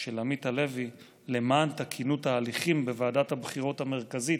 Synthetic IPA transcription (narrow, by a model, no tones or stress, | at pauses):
ʃelamit̪hale̞vi | le̞maːnt̪akʰinutaːliχimbevaːdathabχiʁo̞tame̞ʁkazit